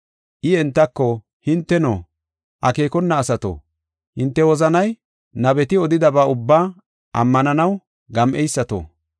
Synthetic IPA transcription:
ʔɪɛnt̪ːɐkːɔ | hɪnt̪ːɛno̰ː | ʔɐke̞ːkɔnːɐːsɐt̪o̰ | hɪnt̪ːɛwɔzɐnɐj | nɐbɛt̪ɪɔd̪ɪd̪ɐbaːʊbːaː | ʔɐ̰mːɐnɐnɐw | ɡɐmʔɛjsːɐt̪o̰ː

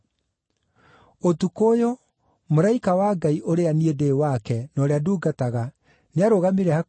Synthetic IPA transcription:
otukojo | moɾaikawaːɡaiʔoɾeaniedeːwakɛnɔɾeaduːɡataɣa | neaɾoɣamiɾɛha

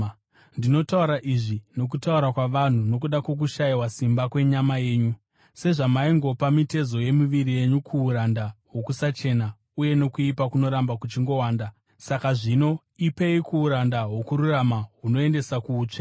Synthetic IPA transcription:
ndino̞tauɾaʔiʐino̞k̬utauɾakwaʋan̤uno̞k̬uɗakwo̞k̬uʃaiwasimbakwe̞ɲamaje̞ːɲu | se̞ʐamaiŋɡo̞pamite̞zo̞je̞muʋiɾije̞ɲukʰuuɾandaɦo̞kusat͡ʃe̞na | uje̞no̞kuipakuno̞ɾambakut͡ʃiŋɡo̞waːnda | sakaʐino̞ | ipe̞ikʰuːɾandaɦwo̞kuɾuramaɦuno̞e̞nde̞sakuːt͡ʂa

